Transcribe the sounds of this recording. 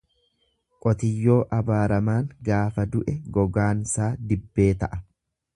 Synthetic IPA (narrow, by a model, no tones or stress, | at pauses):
kʼɔt̪ɪjːo̞ːʔɐbaːɾɐmaːŋɡaːfɐd̪ʊʔɛɡɔɡaːnsaːd̪ɪbːe̞ːt̪ɐʔɐ